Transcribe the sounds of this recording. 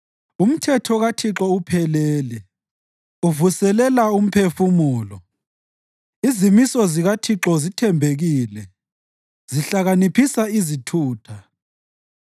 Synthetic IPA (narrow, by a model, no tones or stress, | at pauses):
um̩tʰɛtʰɔɣatʰiǁɔupʰɛlɛːlɛ | uvusɛlɛlaum̩pʰefumuːlɔ | izimisɔziɣatʰiǁɔzitʰɛmbʱeɣiːlɛ | ziɬaɣanipʰisaizitʰuːtʰa